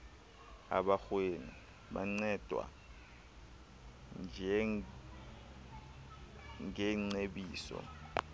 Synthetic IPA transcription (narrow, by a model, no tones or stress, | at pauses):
a̰ɓaxweni | ɓa̰ŋ͡ǀɛd̥ʼʱwa̰ | nd͡ʒʱɛ | ŋɛŋ͡ǀeɓiːsɔ̰